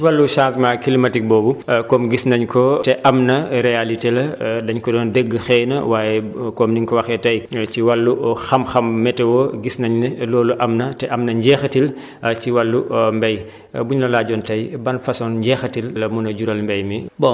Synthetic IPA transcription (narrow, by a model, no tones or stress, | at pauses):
wɐlːuʃãnsmaːkilimɐtik̚bɔːbukɔmɡisnɐɲkɔtɛʔɐmnɐɾɛalitelɐdɐɲkɔdɔːndəɡːəxɛːnɐ̰waːjɛkɔmniŋkɔwɐxɛtɐjciwɐlːuxɐmxɐmːɛtɛwɔɡisnɐɲnelɔːluʔɐmnɐtɛʔɐmnɐɲɟɛːxɐtil | ciwɐlːumbɛj | buɲlɐlaːɟɔntɐjbɐnfɐsɔnɲɟɛːxɐtillɐmunɐɟuɾɐlmbɛjmibɔ